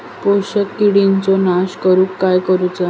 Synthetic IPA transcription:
poɕəkːiɽint͡sɔnaɕkəɾuːkːajkəɾut͡sa

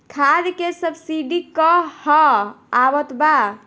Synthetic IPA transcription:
kʰad̪kesəbsiɖikəhɔabət̪ba

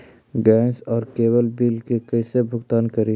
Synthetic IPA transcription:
ɡɛ̃ːnsɔːɾkeːbəlbiːlkekəɪsebʱʊɡt̪aːnkəɾi

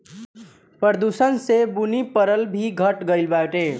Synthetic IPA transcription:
pəɾd̪usənsebunipʌɾəlbʱiɡʱʌʈɡʌjlbaʈe

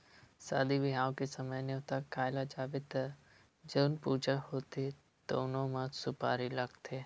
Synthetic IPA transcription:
sa̰ːd̪iʋɪɦaːwkesəməjneɦot̪akaːɪlad͡ʒaːbɪt̪ə | d͡ʒəːnpuːd͡ʒahoːt̪i | t̪o̰ʊnõmãsʊpa̰ːɾiləɡt̪ʰeː

